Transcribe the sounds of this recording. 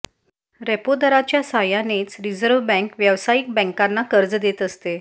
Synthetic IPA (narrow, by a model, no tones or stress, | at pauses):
ɾɛpod̪əɾat͡ɕjasajanet͡sɾid͡zəɾʋbɛ̃ŋkʋjəʋsajik̚bɛ̃ŋkanːakəɾd͡zd̪et̪əst̪e